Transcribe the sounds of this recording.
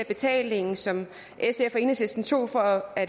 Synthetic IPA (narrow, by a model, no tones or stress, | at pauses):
æb̥e̝t͡sʰɛ̰ːle̝ŋn̩sɒ̽m | ʔesefɒe̝ːnəsesd̥n̩t͡sʰo̝̰ːfɒ̽æd̥